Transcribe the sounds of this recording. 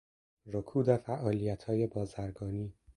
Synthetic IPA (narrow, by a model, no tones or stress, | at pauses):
ɾokʰuːd̪efæʔɒːlijæt̪ʰhɒːje̞bɒːzæɾɡɒːniː